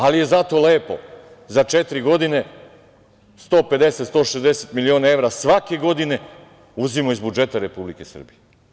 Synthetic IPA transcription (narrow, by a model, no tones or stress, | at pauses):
alije̞zat̪o̞le̞ːpo̞̰ | zat͡ʃet̪ɾiɡo̞d̪ine̞ | st̪o̞ːpe̞d̪e̞set̪st̪o̞ːʃezd̪eset̪milio̞ːnae̞ʋɾasʋake̞ɡo̞d̪ine̞ | uzimoizbud͡ʒe̞t̪aɾe̞publike̞sə̰r̩bije